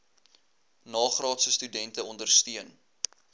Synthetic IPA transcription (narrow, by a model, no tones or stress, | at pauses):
nɑːχrɑːtsəstydɛntəɔndərstiən